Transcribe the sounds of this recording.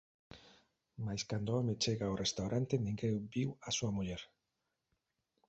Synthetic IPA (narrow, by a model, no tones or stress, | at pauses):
majskand̪oamet͡ʃeɣaorʔest̪awɾant̪enĩŋɡebiwasuamuʎeɾ